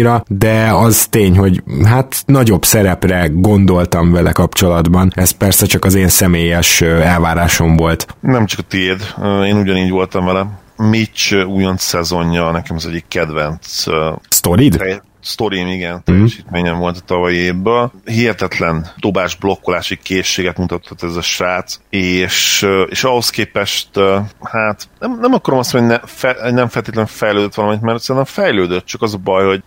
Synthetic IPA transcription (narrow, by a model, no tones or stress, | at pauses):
ɾɒd̪ɛɒzt̪eːɲɦo̞ɟɦat̪nɒɟo̞bsɛɾɛprɛɡo̞nd̪o̞lt̪ɒɱvɛlɛkɒpt͡ʃo̞lɒd̪bɒnɛst̪̚pɛrsɛt͡ʃɒkɒzeːnsɛmeːjɛʃɛlvaːɾaːʃo̞ɱvo̞lt̪nɛmt͡ʃɒkɒt̪eːd̪øeːnuɟɒniːɟvo̞lt̪ɒɱvɛlɛmit͡ʃuːjont̪sɛzo̞ɲːɒnɛkɛmɒzɛɟːikːɛd̪vɛnt̪sst̪oɾid̪t̪ɛjɛ | st̪o̞ɾimiɡɛnt̪ɛjːɛʃiːt̪meːɲɛɱvo̞lt̪ɒ̥t̪ɒvɒjieːbøːlhiɛt̪ɛt̪lɛnd̪o̞baːʒblo̞kːolaːʃikeːʃːeːɡɛt̪mut̪ɒt̪ʰːot̪ːɛzɒʃɾaːt̪seːʃeːʃɒɦo̞skeːpɛʃt̪haːt̪nɛmnɛmɒkɒɾomɒst̪monɛfɛnɛɱfɛlt̪eːt̪lɛɱfɛjløːd̪øt̪ːʋɒlɒmɛnit̪mɛɾt̪sɛint̪ɛɱfɛjløːd̪øt̪̚t͡ʃɒkɒzɒbɒjho̞ɟ